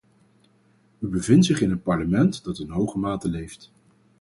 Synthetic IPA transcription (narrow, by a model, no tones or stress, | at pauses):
ybəvɪntsɪχɪnənpɑɹləmɛntdɑtɪnɦowχəmaːtəlejft